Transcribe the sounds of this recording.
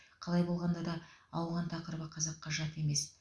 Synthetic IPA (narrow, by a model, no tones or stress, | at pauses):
qʰɑlˠɑjbo̞lˠʁɑnd̪ɑd̪ɑɑwʁɑnt̪ʰɑqəɾbəqʰɑzɑqːɑʒɑt̪e̞me̞s